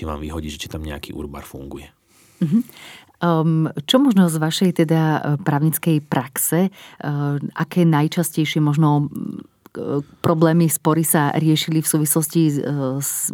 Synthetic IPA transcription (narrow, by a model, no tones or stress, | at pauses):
t͡ʃiʋa̰ːmʋiɦɔɟiːʒɛt͡ʃi̥t̪amɲɛa̰kḭʔṵɾba̰ːɾfṵŋɡujɛ | m̩ɦ̩ | t͡ʃɔmɔʒnɔzʋaʃɛjt̪ɛd̪apɾaːʊɲit͡skɛjpɾʔaksɛ | ʔakɛːnajt͡ʃascɛjʃɪɛmɔʒnɔ | pɾɔblɛːmispɔɾisaɾɪɛʃilifsuːʋislɔscis